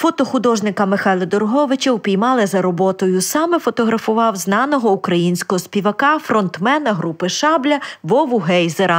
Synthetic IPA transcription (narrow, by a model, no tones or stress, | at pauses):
fɔt̪ɔxʊd̪ɔʒnɪkɐmɪxɑjlˠɐd̪ɔrɦɔʋɪt͡ʃɐwpʲijmɑlˠɪzɐɾɔbɔt̪ɔjʊsɑmɛfɔt̪ɔɦɾɐfʊʋɑwznɑnɔɦɔukɾɐjinʲsʲkɔɦɔspʲiʋɐkɑfɾɔnt̪mɛnɐɦɾupɪʃɑblʲɐʋɔʋʊɦɛjzeɾɐ